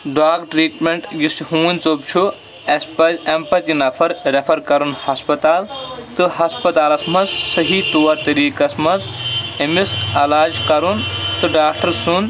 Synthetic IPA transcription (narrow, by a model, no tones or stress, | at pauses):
ɖaːkʈɾiːʈmeɳʈjisiɦũːnʲt͡sop̚t͡ʃʰu | espɐempɐt̪inɐpʰɐɾɾepʰɐɾkɐɾunhɐspɐt̪aːlt̪ɨɦɐspɐt̪aːlɐsmɐzsɐɦiːt̪oːɐɾt̪ɐɾiːkɐsmɐzemisɐlaːd͡ʒkɐɾunt̪ɨɖaːkʈɐɾsun